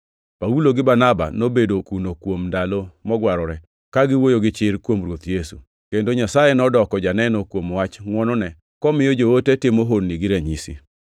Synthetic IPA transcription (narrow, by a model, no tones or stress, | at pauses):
pauloɡɪbanaba̰nobedokunokwomndalomɔɡwaɾɔɾɛ | kaɡɪwojoɡɪt͡ʃɪɾkwomrwot̪jesu | kendoɲasajenɔdɔkɔd͡ʒanɛnɔkwomwat͡ʃŋwɔnɔnɛ | kɔmɪjɔd͡ʒootetɪmoɦonniɡɪɾɛɲisḭ